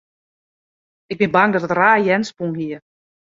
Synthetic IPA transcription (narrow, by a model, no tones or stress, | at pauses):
ɪk̚bɪnbaŋdɔtətraːjɛnspuŋhiə